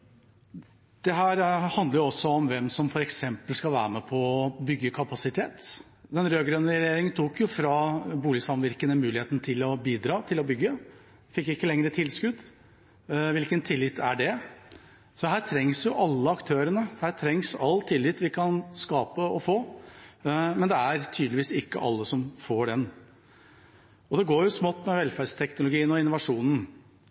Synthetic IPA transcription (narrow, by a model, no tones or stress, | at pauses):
d̪̥ɛɦæːɾhɑnd̪ləɾjʊɔsːɔɔmʋɛmsɔmfɔɾɛksɛmpəlskɑlʋæ̰ːɾəmɛpʰɔbʏɡːəkʰɑpɑsɪt̪ʰḛːt̪ | d̪ɛnɾøːɡɾœnːəɾɾɛjeːɾɪŋnt̪ʰuːkjʊfɾɑbuːlɪsɑmʋɪɾkənəmʉːlɪheːt̪nət̪ʰɪlɔbiːd̪ɾɑːt̪ʰɪlɔbʏɡːə | fɪkːɪkːəlɛŋɾət̪ʰɪlskʉd̪ | ʋɪlkənt̪ʰɪlːɪt̪æ̰ɖɛ | sɔhæːɾʈ̪ʰɾɛŋsjʊʔɑlːəɑkt̪ʰøːɾənəhæːʈ̪ʰɾɛŋsɑlːt̪ʰɪlːɪt̪ʋɪkʰɑnskɑːpəɔfoː | mɛnd̪ɛæɾt̪ʰyːd̪lɪʋiːsɪkːə̰ʔɑ̰lːəsɔmfoːɖɛn | ɔd̪ɛɡoːɾjʊsmɔt̪ːmɛʋɛlfæɖst̪ʰɛknʊlʊɡiːənɔɪnʊʋɑʂuːnn̩